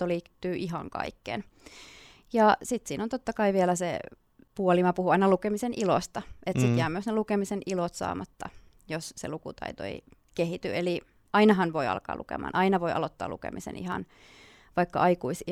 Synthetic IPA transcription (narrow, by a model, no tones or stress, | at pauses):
oliːt̪ːyːʔiɦɑ̰ŋkɑ̰ikːḛn | jɑsit̪siːnont̪ot̪ːɑkɑiʋielæsḛ | puolimɑpuhuɑinɑlukemisenilo̰st̪ɑet̪sit̪jæːmyøsnelukemisenʔilot̪sɑ̰ːmɑt̪ːɑ | jossḛlukṵt̪ɑ̰it̪o̰ḭ | kehit̪y̰eli | ʔɑinɑɦɑnʋoiɑ̰lkɑ̰ːlṵkḛmɑ̰ːnʔɑinɑʋoiɑ̰lot̪ːɑ̰ːlṵkḛmisḛnḭhɑ̰n | ʋɑikːɑʔɑikuis